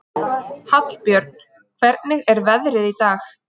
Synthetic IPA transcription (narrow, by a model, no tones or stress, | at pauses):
hat̪l̥pjœɾt̪̚n̥ | kʰvɛɾt̪nɪɣɛɾvɛðɾɪðit̪aːx